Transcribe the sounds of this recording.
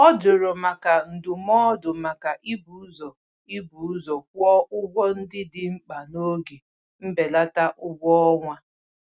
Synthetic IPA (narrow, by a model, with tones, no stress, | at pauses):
ɔ˦d͡ʒʊ˨ɾɔ˨ma˨ka˨n̩˨dʊ˨mɔ˦dʊ˨ma˨ka˨ʔi˦bu˨˦zɔ˨ | i˦bu˨˦zɔ˨kʷɔ˦ʊ˦ɡʷɔ˦n̩˦dɪ˦dɪ˦ŋ͡m̩˦k͡pa˨no˦ɡe˨ | m̩˦be˨la˦ta˦ʔʊ˦ɡʷɔ˦ɔ˦ŋʷa˦